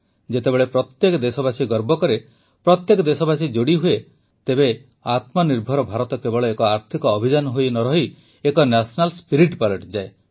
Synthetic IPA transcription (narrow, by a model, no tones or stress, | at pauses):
d͡ʒet̪ebeɭepɾɔt̪jekɔd̪esɔbasiɡɔɾbɔkɔɾe | pɾɔt̪jekɔd̪esɔbasid͡ʒoɽiɦue | t̪ebe | at̪mɔniɾbʱɔɾɔbʱaɾɔt̪ɔkebɔɭɔekɔaɾt̪ʰikɔːbʱid͡ʒanɔɦojnɔɾɔɦi | ekɔnasɔnalspiɾiʈpaleʈd͡ʒae